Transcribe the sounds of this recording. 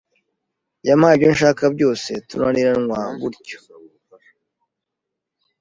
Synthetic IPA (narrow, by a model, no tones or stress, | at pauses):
jamaːiɟonʃaːkabɟo̞ːsetunaniɾaŋwaːŋɡuɾco̥